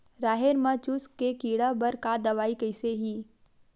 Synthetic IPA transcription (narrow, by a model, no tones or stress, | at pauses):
ɾaːɦeɾmat͡ʃʊskːekiːɽabɐɾkad̪ɐʋaːikɐɪseɦiː